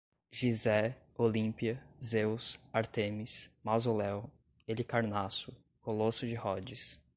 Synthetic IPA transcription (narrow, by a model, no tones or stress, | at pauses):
ʒizɛ | olĩpiɐzewsaɾt̪ẽmismazolɛw | elɪkaɾnasʊ | kolosʊd͡ʒɪhɔd͡ʒɪs